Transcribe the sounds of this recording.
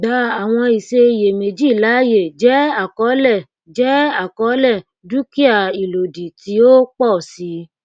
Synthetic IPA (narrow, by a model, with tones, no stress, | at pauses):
ɡ͡ba˨˦a˨w̃ɔ̃˧i˨se˧˨je˨me˨d͡ʒi˦˨la˨˦je˦˨d͡ʒɛ˦a˦˨kɔ˨˦lɛ˦˨ | d͡ʒɛ˨˦a˦˨kɔ˨˦lɛ˦˨ | du˦ki˦a˦˨i˨lo˨di˨ti˨˦o˦k͡pɔ˦˨si˨˦